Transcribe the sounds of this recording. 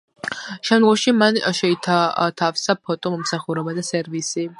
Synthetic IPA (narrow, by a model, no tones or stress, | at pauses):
ʃɛmd̪ɡuʃimanʃɛit̪ʰat̪ʰafsapʰɔt̪ʼɔmɔmsaχuɾɛbad̪asɛɾvisi